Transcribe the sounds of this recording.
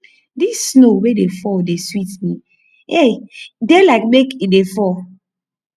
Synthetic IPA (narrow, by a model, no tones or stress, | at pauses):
disːnowedefɔdeswitmĩ | edelaɪk̚mekidefɔ